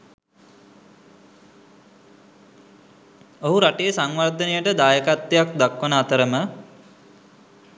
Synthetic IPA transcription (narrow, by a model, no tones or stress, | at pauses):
oɦuɾaʈejəsaŋʋard̪ʱənejəʈəd̪aːjəkat̪ːejak̚d̪akʋənəat̪əɾəmə